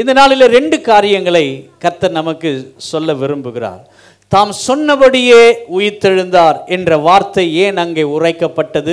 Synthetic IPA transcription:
ɪnd̪ɐnaːɭɪleɾɛɳɖɯkaːɾɪjɐŋɡɐɭɐɪkɐɾt̪ːɐɾnɐmɐkːɯsɔlːɐʋɪɾɯmbɯɣɪra̰ːɾ | t̪aːmsɔnːɐʋɐɽɪjeːʊjɪt̪ːɛɻɯnd̪aːɾɛndrɐʋaːɾt̪ɐeːnɐŋɡɐɪʊrɐɪkːɐpːɐʈːɐðɯ

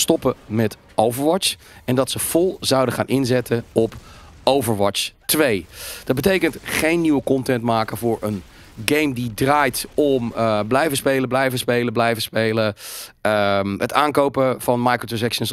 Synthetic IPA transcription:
stɔpəmɛt | owvəɹʋɑt͡ʃ | ɛndɑtsəv̥ɔlˠzɑwdəχaːnʔɪnzɛtʰəɔp | owvəɹʋɑt͡ʃtʋejd̥ɑd̚bətejkəntχejnːiʋəkɔntɛntmaːkəvʊːɹən | ɡejmdidraːjtɔmblɛjvəspejləblɛjvəspejləblɛjvəspeːlə | ətaːnkowpəvɑnmajkɹotusɛkʃəns

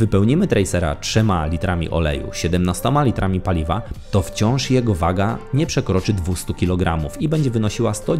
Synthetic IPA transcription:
vɘpɛwɲimɘt̪ɾɛjsɛɾa̰tʂɛmalʲit̪ɾamʲḭʔɔ̰lɛ̰jṵɕɛd̪ɛmnast̪ɔmalʲit̪ɾamʲipalʲivat̪ɔft͡ɕɔ̃w̃ʂjɛɡɔvaɡaɲɛpʂɛkɾɔt͡ʂɘd̪vust̪ukʲilɔɡɾʔamufibɛɲd͡ʑɛvɘnɔɕiwast̪ɔ

